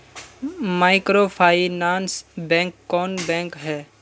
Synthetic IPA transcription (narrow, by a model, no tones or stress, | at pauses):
maːɪkɾopʰaːinaːnsbɛ̃ːŋkːɔːnbɛ̃ːŋkɦɛː